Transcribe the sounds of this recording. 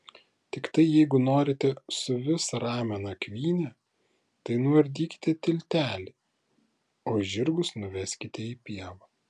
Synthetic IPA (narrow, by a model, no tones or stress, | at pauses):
t̪ʲɪkt̪ɐɪjɛɪɡʊnoːɾʲɪt̪ʲɛsʊʋʲɪsɐɾɑːmʲɛnɐkʲʋʲiːnʲɛ | t̪ɐɪnʊʋɐɾʲd̪ʲiːkʲɪ̥t̪ʲɛt̪ʲɪlʲt̪ʲæːlʲɪ | oːʒʲɪɾɡʊsnʊʋʲɛsʲkʲɪt̪ʲɛiːpʲiɛʋɐ